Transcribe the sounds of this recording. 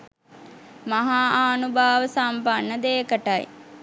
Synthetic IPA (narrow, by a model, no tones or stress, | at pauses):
maɦaːaːnubʱaːʋəsampanːəd̪eːkəʈaj